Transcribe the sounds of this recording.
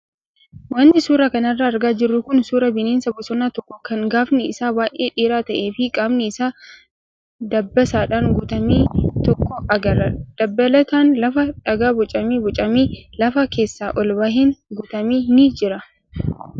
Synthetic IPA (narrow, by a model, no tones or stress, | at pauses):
wɐnːɪsuːɾɐkɐnɐrːɐːɾɡaːd͡ʒɪrːʊkʊnsuːɾɐbɪneːnsɐbɔsɔnːaːt̪ɔkːɔkɐŋɡaːfnɪɪsaːbaːʔḛːᶑiːɾaːt̪ɐʔe̞ːfɪkʼaːbnɛɪsaː | d̪ɐbːɐsaːᶑaːŋɡʊt̪ɐmiːt̪ɔkːɔɐɡɐɾɐd̪̥ɐbːɐlɐt̪aːnlɐfɐᶑɐɡaːbɔt͡ʃʼɐmiːbɔt͡ʃʼɐmiːlɐfɐke̞ːsːaːʔɔlbaɦɪŋɡʊt̪ɐmiːnɪd͡ʒɪɾɐ